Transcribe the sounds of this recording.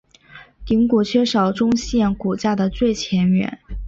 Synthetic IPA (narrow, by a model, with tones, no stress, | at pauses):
t̪i˧˥ŋku˨˩t͡ɕʰɥɛ˥ʂɑ˨˩ʊʈ͡ʂʊ˥ŋɕjɛ˥˩nku˨˩t͡ɕja˥˩d̪ə˩t͡swe˥˩ɪt͡ɕʰjɛ˧˥nɥɛ̰˨˩˦n